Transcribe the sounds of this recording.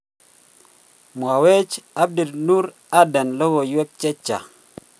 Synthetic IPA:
mwa˨we˦t͡ʃa˦b̚di˨lnu˦ɾ | a˦da˨nlo˦wo˨jwe˦k̚t͡ʃe˦t͡ʃːa̰˨

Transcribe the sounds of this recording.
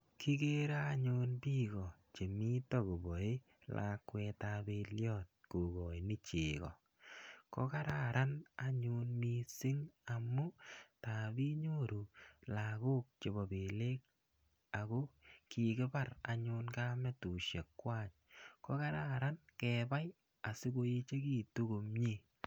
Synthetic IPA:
ki˦ɡe˦ɾa˦ɲʊnbi˦ɣɔ˨t͡ʃe˨mi˦tɔ˦ko˨bɔ˨i˦ | lʔa̰kwɛ˧tabe˧ljɔ˦t̚ko˨ɡɔ˨i˨nɪ˦t͡ʃeː˨ɣɔ̰˨ | kɔ˦ka˦ɾa˦ɾa˦na˦ɲʊ˧nmi˦sɪ˦ŋamu˦ta˨bi˦ɲo˦ɾu˨la˨ku˦k̚t͡ʃe˨bɔ˨be˨le˦k̚ | a˨ko˦ki˨kɪ˦ba˦ɾa˨ɲʊ˧nkamɛ˦tu˨ʃe˨kːwa˦˨ɲ | kɔ˦ka˦ɾa˦ɾa˦nkɛba˦j | a˨sɪ˦ko˦i˦t͡ʃe˦ki˦tu˦ɡo˨mɲi˦

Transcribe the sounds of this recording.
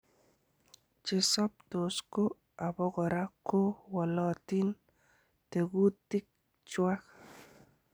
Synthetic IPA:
t͡ʃɪ˨sɔ˦p̚to˨sko˦ | a˨bɔ˦ɡɔ˨ɾa˦ko˦wɔ˨lɔ˦˨tɪ˦n | te˨ɡu˦tɪ˦k̚ | t͡ʃwa˦k

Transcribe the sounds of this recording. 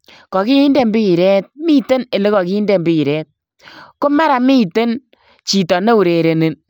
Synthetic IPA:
kɔ˨ki˦i˦nde˦˨mbi˦i˨ɾɛ˦t̚mi˦te˦ne˨le˦kɔ˨ki˦i˦nde˦˨mbi˦i˨ɾɛ˦t̚ | ko˦ma˦ɾa˨mi˦te˦n | t͡ʃi˨tɔ˨ne˦u˨ɾe˨ɾe˨ne˨n

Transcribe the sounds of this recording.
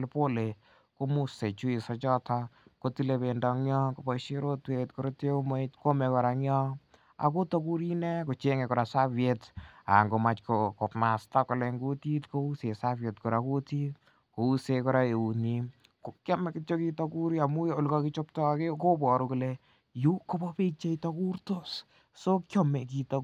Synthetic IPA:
lpo˦le˨ | ko˦mu˦se˨t͡ʃu˦i˨sɔ˧t͡ʃɔ˦tʰako˦ti˦le˧be˨ndɔ˧ŋɲjɔ˦ko˨bɔ˦ʃe˦ɾo˦twetko˦ɾo˦te˦uma˦itko˦mɛ˧kɔ˨ɾa˧ŋjɔ˦ | a̰˨ko˦to˦ku˦ɾi˦ne˦ko˨t͡ʃe˦ŋe˨kɔ˨ɾa˨sa˦vjeta̰˨ŋɡo˨ma˨t͡ʃkoko˨pma˨sta˦kɔ˨le˧ŋɡu˦ti˦tko˧u˦se˨sa˦vje˨tkɔ˨ɾa˨ku˦ti˦ | ko˨u˦sekɔ˦ɾa˦e˨u˨ni | ko˨ka˦mɛ˨kɪto˦ki˦to˦kuɾia˨mu˦jo˨lkɔ˧ki˦t͡ʃop̚tɔ˦ke˦ko˦bɔ˨ɾu˧kule | ju˦ko˦bɔ˦pe˦t͡ʃe˦itoku˦rto˦s | so˦kjɔ˦me˨k̬i˨to

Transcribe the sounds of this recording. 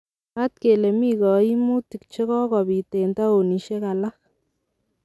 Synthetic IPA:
a˦t̚ke˨le˨mi˦kɔ˨i˦mu˦ti˨k̚t͡ʃe˦ɣɔ˦kɔ˨bi˨te˨nta˦o˨ni˨ʃe˦ka˨la˦x

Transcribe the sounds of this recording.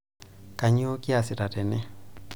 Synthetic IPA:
ka˨ɲi˦ɔ˦kʼi˦a˨si˨ta˨tɛ˨nɛ˦

